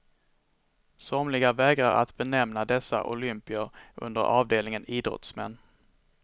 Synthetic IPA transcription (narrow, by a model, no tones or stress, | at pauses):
sɔmlɪɡavɛːɡɾaɾa̰t̪bɛnɛmnad̪ɛsːa̰ʔʊlʏmpɪəɾʔɵ̰nd̪ə̰ɾʔɑːvd̪eːlnɪŋəniːd̪ɾɔ̰t̪smɛ̰nː